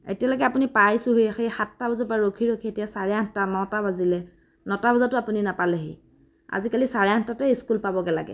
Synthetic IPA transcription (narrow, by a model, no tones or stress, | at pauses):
ḛtijaloɡɛapunipajsʊɦojxejxatːabɔzapaɹokʰiɹokʰietijasaɹɛãntanɔtabazilɛ | nɔtabɔzatʊapuninapalɛɦḛ | a̰zikalisaɹɛantatɛiskulpabɔɡɛla̰ɡɛ̰